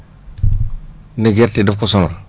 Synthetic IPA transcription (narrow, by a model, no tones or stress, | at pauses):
niɡeɾtidɪfkosɔna